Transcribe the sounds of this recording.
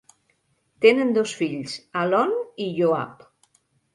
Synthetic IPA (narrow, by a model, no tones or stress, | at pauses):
t̪enənd̪osfiʎsalɔniʎoa̰p